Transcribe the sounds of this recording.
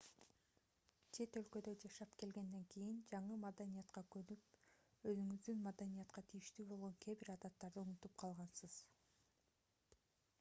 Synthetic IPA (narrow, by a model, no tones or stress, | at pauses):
t͡ʃʰe̞t̪ø̞lkø̞d̪ød͡ʒɑʃɑpke̞lɡe̞nd̪e̞ŋkijind͡ʒɑɴɯmad̪anijɑt̪qɑkønyp̚ | ø̞zyŋyzd̪ynmad̪anijɑt̪qɑt̪ʰijiʃt̪yːbo̞lˠʁoŋkʲʰebiɾɑd̪ɑt̪ːɑɾd̪ɯunut̪up̚qʰɑlˠʁɑnsɯz̥